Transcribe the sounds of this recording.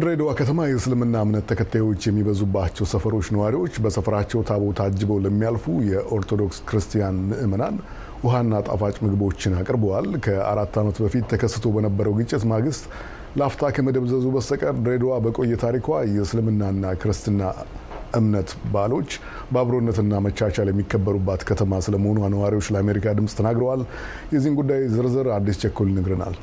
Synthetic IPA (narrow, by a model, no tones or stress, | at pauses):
d̪ɾed̪wakʰət̪ʰəmajɛsɨlmɨnːaɨmnət̪ʰːəkʰət̪ʰːajwo̞t͡ʃːjɛmːibəzubːat͡ʃːɛwsəfəɾo̞t͡ʃːnəwaɾiwo̞t͡ʃːbəsəfɾat͡ʃːɛwt̪ʰaβot̪ʰad͡ʒːɨbəwləmːijalfujɛʔo̞ɾt̪ʰo̞d̪o̞kskʰɾɨst̪ʰijanmɨʔɨmənan | ʔʊɦanːat̪ʼa̰fat͡ʃʼmɨɡbo̞t͡ʃːɪnakʼɾbəwalkʰəa̰ɾat̪ːamət̪bəfit̪ʰːəkʰəsːɨ̥t̪ʰobənəbːəɾəwɡɨt͡ʃʼːɪt̪maɡɨst̪ʼ | ləaft̪ʰakʰəməd̪əβzəzubəst̪əkʼəɾd̪ɾed̪owabəkʼo̞jːɛt̪ʰaɾikʰʷajɛsɨlɨmɨnːanːakʰɨɾɨst̪ʰɨnːa | ʔɨmnət̪balo̞t͡ʃː | baβɾo̞nːət̪ɨnːamət͡ʃːat͡ʃaljɛmːikːəbːəɾubːat̪kʰət̪ʰəmasɨləməho̞nuanəwaɾiwo̞t͡ʃːləame̞ɾikʰad̪ɨmsʼt̪ʰənaɡɾəwal | jɛzːihnɡud̪ːajzɨɾzɨɾad̪ːist͡ʃʰɛkːulnɨɡɾɨna̰l